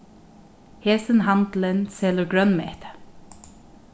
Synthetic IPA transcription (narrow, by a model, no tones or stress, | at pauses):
hɛːsənɦand̪lənsɛːləɡɹœnmɛ̰ht̪ə̥